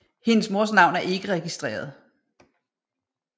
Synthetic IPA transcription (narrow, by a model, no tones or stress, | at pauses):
he̝nəsmo̝ɐs̬nɑ̈ʊnæɐe̝ɡ̥əʁɛɡ̥isd̥ʁḛːɐð̞ˠ